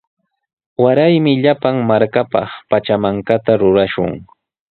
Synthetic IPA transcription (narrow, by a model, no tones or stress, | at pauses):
waɾajmɪʎapaŋmaɾkapɑ̰χpat͡ʃamaŋkat̪aɾʊɾaʃʊ̰ŋ